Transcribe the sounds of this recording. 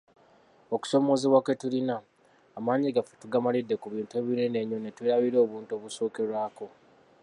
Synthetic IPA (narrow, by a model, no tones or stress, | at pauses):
o̞ku̥so̞mo̞ziwake̞tulinaː | maːɲiɡafetuɡamalidːe̞kuβiːntue̞βinene̞ɲːo̞netweɾaβiɾo̞ːβuːnto̞βuso̞ːke̞ɾwaːko̞